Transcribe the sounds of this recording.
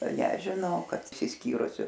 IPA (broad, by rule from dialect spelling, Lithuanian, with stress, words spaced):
nʲɛʒʲɪˈnɐʊ ˈkɐt ɪʃʲsʲɪsʲˈkʲiːrʊsʲʊ